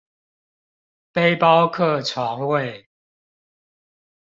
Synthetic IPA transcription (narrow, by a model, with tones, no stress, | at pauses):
pe˦ɪpɑ˦ʊkʰɤ˥˨t͡sʰwa˨˦ŋwe˥˨ɪ